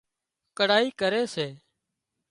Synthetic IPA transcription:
kəɽaːiːkəɾeːseː

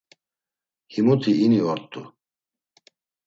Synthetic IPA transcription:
himut̪ʰiiniɔɾt̪ʼu

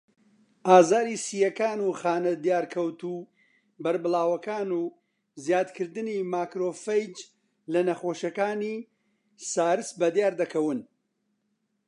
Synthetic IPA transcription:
ʔaːzaːɾisiːjɐkaːnuχaːnɐd̪jaːɾkʰɐwt̪uː | bɐɾbɨlˠaːwɐkaːnuː | zjaːd̪kʰɨɾd̪ɨnimaːkɾoːfɐjd͡ʒ | lɐnɐxoːʃɐkaːniː | saːɾɨsbɐd̪jaːɾd̪ɐkʰɐwɨn

